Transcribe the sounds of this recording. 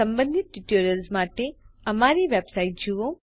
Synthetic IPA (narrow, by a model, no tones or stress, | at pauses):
əmbə̃nd̪ʱit̪̚ʈiʈoːɾjəlsmaːʈeɐmaːɾiʋebsaiʈ̚d͡ʒuʋo